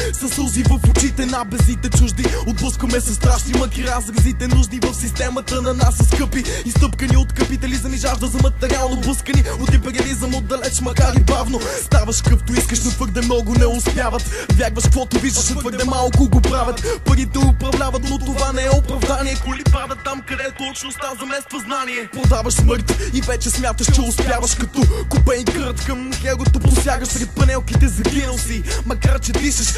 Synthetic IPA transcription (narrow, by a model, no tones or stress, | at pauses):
sɐsuzivɐfʊt͡ʃit̪ɛnabɛzit̪ɛt͡ʃuʒd̪iʊd̪̚bəskomɛsɐst̪ɾaʃnimɐkiɾazɾɐzit̪ɛnuʒnivəfsist̪ɛmɐt̪ənɐnasɐskəpiist̪əpkəniʊt̪kɐpit̪ɐlizɐmiʒaʒd̪əzɐmɐt̪ɛɾialˠnʊd̪̚bəskəniʊt̪ipɛɾɐlizəmod̪ːɐlɛt͡ʃmɐkaɾibavnʊ | st̪avɐʃkəpt̪ʊiskəʃnʊt̪vəɾd̪ɛmnɔɡʊnɛʊspjavɐt̪vʲjaɡvɐʃkvɔt̪ʊviʒd̪ɐʃnɐt̪vəɾk̚d̪ɛmalˠkʊɡopɾavʲɐt̪pɐɾit̪ɛʊpɾɐvlʲavɐt̪not̪ovanɛɛʊpɾɐvd̪aniɛkʊlipad̪ɐt̪ːamkɐd̪ɛt̪ɔt͡ʃnost̪azɐmɛst̪vɐznaniɛpɾod̪avɐʃsməɾt̪ivɛt͡ʃɛsmʲjat̪əʃt͡ʃɛʊspjavɐʃkɐt̪ɔkʊpɛikəɾt̪kɐmxɛɡʊt̪opʊsjaɡəʃsɾɛt̪̚pɐnɛlˠkit̪ɛzɐɡinɐlˠsimɐkaɾt͡ʃɛviʃɐʃ